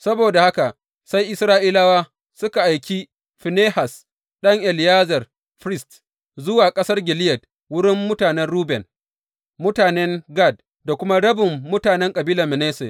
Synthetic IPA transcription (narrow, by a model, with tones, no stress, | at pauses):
sɐ˦boː˨da˨ha˦ka˨ | sa˦jʔɪ˦sɾaː˦ʔiː˦laː˦waː˦ | sʊ˦ka˨ʔa˨jkʲi˦ | ɸɪ˨neː˦ha˨s | ɗɐ˦ŋʔɛ˨lɪ˨jaː˦zɐ˨r | ɸɾɪ˦st | zʊ˦waː˨kʼɐ˦sɐ˦rɡʲɪ˨lɪ˦jɐ˨d̚ | wʊ˦ɽɪ˦mːʊ˦taː˨nɛ˦nɽuː˦bɛ˨n | mʊ˦taː˨nɛ˦ŋɡa˦˨d̚ | da˨kʷʊ˦ma˦ɽɐ˦bɪ˨mːʊ˦taː˨nɛ˦ŋkʼɐ˨biː˦la˨mɪ˨neː˦sḛ˨